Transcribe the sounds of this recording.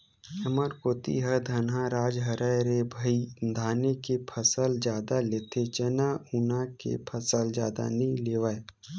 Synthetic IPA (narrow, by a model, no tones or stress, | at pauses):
ɐməɾkoːt̪ḭɦəd̪ʱɐnɦãɾaːd͡ʒɦɐɾəjɾebʱɐid̪ʱaːnekepʰəsəld͡ʒjaːd̪aleːt̪ʰet͡ʃənaunakḛpʰəsəld͡ʒja̰ːd̪a̰nɐĩleːʋae